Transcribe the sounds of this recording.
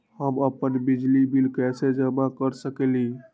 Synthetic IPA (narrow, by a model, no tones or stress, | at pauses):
həməpənbid͡ʒlibilkɛsed͡ʒəmakəɾsəkeli